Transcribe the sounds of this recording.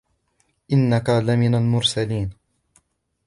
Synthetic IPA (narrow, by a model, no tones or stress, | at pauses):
ʔɪnːakalamɪnalmʊɾsaliːn